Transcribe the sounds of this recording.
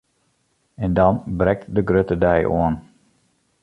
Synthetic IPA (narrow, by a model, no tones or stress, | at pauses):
ɛndɔnbrɛk̚tdəɡrøtədɛjʔo̰ən